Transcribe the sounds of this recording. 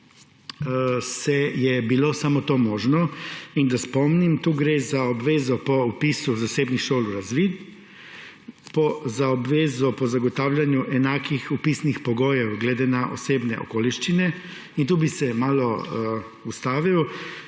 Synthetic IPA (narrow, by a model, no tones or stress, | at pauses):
sɛjɛbiloːsaːmɔt̪oːmɔːʒnɔind̪aspɔmnimt̪uːɡɾeːzaɔbʋeːzɔpɔupiːsuzaseːbnixʃoːluɾazʋiːd̪ | pɔzaɔbʋeːzɔpɔzaɡɔt̪aːwljanjuʔɛnaːkixupiːsnixpɔɡoːjɛwɡled̪enaʔɔ̰seːbnɛ̰ʔɔ̰koːliʃt͡ʃinɛ | int̪uːbisɛmaːlɔ | ust̪aːʋiɔ